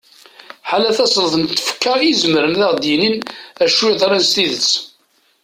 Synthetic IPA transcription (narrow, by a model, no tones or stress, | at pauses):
ħalæθæsˤləθənt̪ːə̥fə̥kːəizəməɾənðæʁd̪jininæʃwiðˤɾænst̪iðət͡sː